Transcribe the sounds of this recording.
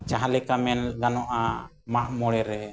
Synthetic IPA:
t͡ʃaɦalɛkamɛnɡanɔʔa | maʔmɔɽɛɾɛ

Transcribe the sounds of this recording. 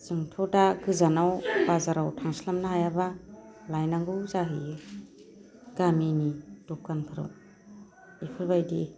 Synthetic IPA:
zɯŋtʰɔdaɡɯzanawbazaɾawtʰaŋsilamnaɦajabalajnaŋɡɯzaɦi | ɡ̥aminidɔp̚kanpʰɯɾɯ̰w | ipʰɯlbajdi

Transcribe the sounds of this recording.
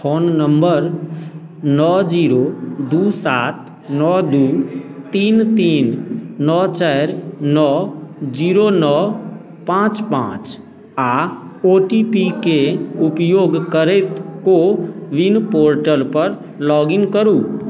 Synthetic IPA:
pʰoːnːəmbəɾ | nɔːd͡ʒiːɾod̪uːsaːt̪ | nɔːd̪uːt̪iːnt̪iːnːɔːt͡ʃɛːɾnɔːd͡ʒiːɾonɔː | pãːt͡ʃpã̰ːt͡ʃ | aːoːʈipikeʊpjoːɡkəɾet̪koʋɪnpoːɾʈəlpəɾ | lɔːɡɪŋkəɾuː

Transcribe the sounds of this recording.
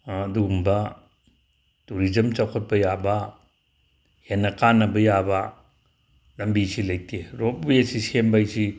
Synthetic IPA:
dumba | tuɾizɐmt͡ʃawkʰɔt̚bɐjaba | henːɐkanɐbɐjaba | dɐmbisilajteɾɔp̚bujesisembajsi

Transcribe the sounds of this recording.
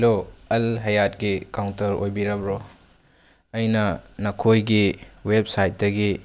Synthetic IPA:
loɐlɦɐjatɡikawntɐɾo̰jbiɾɐbɾo | ɐjnɐnɐkʰojɡiwep̚sajt̚dɐɡi

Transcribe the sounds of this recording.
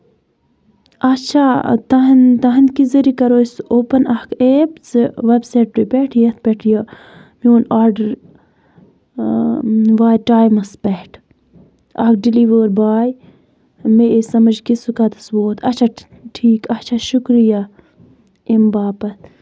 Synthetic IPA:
ɐt͡ʃʰat̪ɐɦɐnt̪ɐɦɐnkizɐɾikɐɾoːsoːpɐnɐhkʰeːpt͡sɨʋebsaːʈ̚pɾipeːʈʰjɐt̪̚ʰpeʈʰjɐ | mioːnaːɾɖɐɾ | ʋaːjʈaːjmɐspɐʈʰ | ɐk̚ɖiliːʋəːɾbaːj | mesɐmɐd͡ʒkisukat̪ɐsboːt̪ʰɐt͡ʃʰa | ʈʰiːkɐt͡ʃʰaʃukɾija | imbaːpɐt̪ʰ

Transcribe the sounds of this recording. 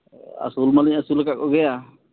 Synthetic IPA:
a̰sulmaliɲasulkaʔkɔɡɛja

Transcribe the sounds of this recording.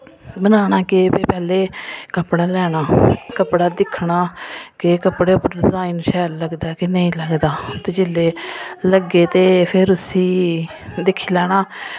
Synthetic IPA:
bənaːnaːkeːpeːpɛːleːkəpɽaːlɛːɽaːkəpɽaːd̪ɪkʰɳaːkekəpɽeːpʊɾzaːinʃɛːlləɡd̪aːkɪnəĩːləɡd̪aːt̪eːd͡ʒɪleːləɡeːt̪eːpʰɪɾʊsiː | d̪ɪkʰːiːlɛːɽ̃aː

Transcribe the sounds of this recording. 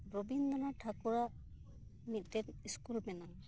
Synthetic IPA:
ɾobind̪ɔnaʈʰakuɾaʔ | niʔ̪̚ˀt̪ɛniskulbɛna

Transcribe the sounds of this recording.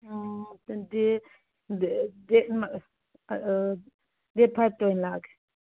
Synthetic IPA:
de | det̚ma | det̚pʰajb̚tɔjnlaɡe̥

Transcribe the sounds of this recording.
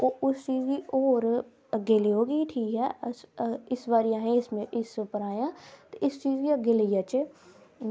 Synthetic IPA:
oːʊst͡ʃiːziʔoːɾ | ɡeːliɦoːɡiʈʰiːkɦɛsɪsʋaːɾɪjãːɦɛ̃ɪsmẽʔɪspəɾaːjãːt̪oʔɪst͡ʃiːzkiaɡeləjaːt͡ʃe

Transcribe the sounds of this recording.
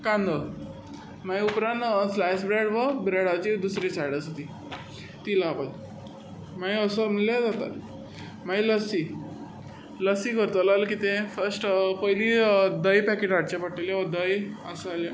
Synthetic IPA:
kãnd̪ə | majupɾãnslajsbɾeɽʋəbɾeɽat͡ɕid̪usɾet͡ɕaɽəst̪i | t̪ilaːpəl | maiəsəm̤əlad͡zat̪a̰t̪ | mailəsi | ləsikəɾt̪əlalkit̪ẽfəɾsʈpəilid̪əjpɛkeʈaʈ̚t͡ɕapəʈeleʋəd̪əjəsala

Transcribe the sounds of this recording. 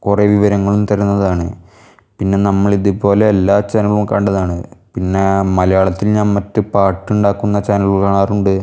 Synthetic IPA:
kureʋiʋɐɾɐŋːɐɭumt̪ɐɾunːɐðaːɳɨ | pinːe̞nɐmːɐɭiðupo̞ːle̞ːlːaːt͡ɕaːnɐɐɭumkaːɳɖɐðaːɳɨpinːe̞mɐlɐjaːɭɐt̪ːilɲaːnmɐtːɨpaːʈːuɳɖaːkːunːɐt͡ɕaːnɐlukaːɳaːruɳɖɨ

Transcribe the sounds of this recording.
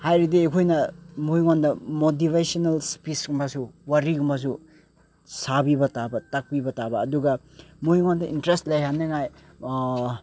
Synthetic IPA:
hajɾidiekʰojnɐmojŋondɐmot̬iβesonalspisɡumbasuwaɾiɡumbɐs̬u | sabibɐtabɐtak̚pibɐtabɐːduɡɐ | mojŋondɐʔintɾestlɐjɦanːɐŋaj

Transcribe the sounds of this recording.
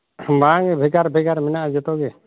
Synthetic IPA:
baŋɛbʱɛɡaɾbʱɛɡaɾmɛnaʔd͡ʒɛt̪ɔɡɛ

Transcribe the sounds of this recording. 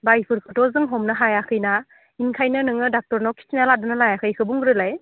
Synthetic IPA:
bajpʰɯɾkʰɯtɔzɯŋɦɔmnaɦajakʰɯjna | iŋkʰajnɯnɯŋɯdak̚tɔɾnɔkʰi̥sinaladɯnɯlajakʰɯjkʰɯbuŋɡɯɾɯlaj

